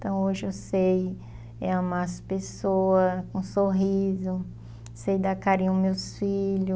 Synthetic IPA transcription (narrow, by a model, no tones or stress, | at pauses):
t̪ɐ̃w̃oʒɪewsej | ɛɐmaspesoɐkõsoɦizʊ | sejd̪akaɾĩʊmewsfiʎʊ